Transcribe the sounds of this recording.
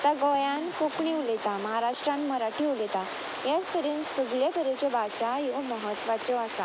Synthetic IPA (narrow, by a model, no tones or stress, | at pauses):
t̪aɡɔjãnkokɳiulet̪aməɦaɾaʂʈɾãnməɾaʈʰiulet̪a | jad͡zt̪əɾiːnsəɡljat̪əɾet͡ɕjɔbʱaɕajɔməɦət̪ːʋat͡ɕɔasa